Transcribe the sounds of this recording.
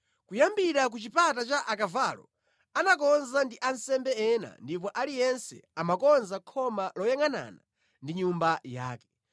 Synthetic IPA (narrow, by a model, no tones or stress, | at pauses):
kujambiɾak̬ut͡ʃipatat͡ʃaʔakavalɔ | anakɔnzandiʔansɛmbɛɛna̰ndip̬ɔʔalijɛnsɛ̰amakɔnzakʰɔmalɔjaŋana̰ːna | ndiɲumbaja̰ːkɛ̥